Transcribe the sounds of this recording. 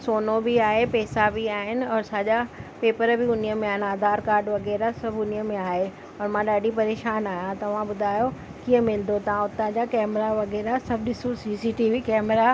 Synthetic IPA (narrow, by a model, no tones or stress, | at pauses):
soːnobɪaːɦepɛːsabʱiaːɦɪnɪ̆ɔːɾsaʄapeːpəɾbʱɪʊniəmẽaːɦɪnaːd̪ʱaːɾkaːɾɖʋɐɣɛːɾasɐbʱʊniəmẽaːɦe | ɔɾmãɗaːɖipɐɾeːʃaːnaːɦjãt̪ɐʋ̤ãɓʊd̪ʱaːjo | kiːə̃mɪld̪ot̪ɐʋ̤ãʊt̪ə̃d͡ʑakɛːmɾaʋɐɣɛːɾasɐbʱɗɪsosiːsiʈiːʋikɛːmɾa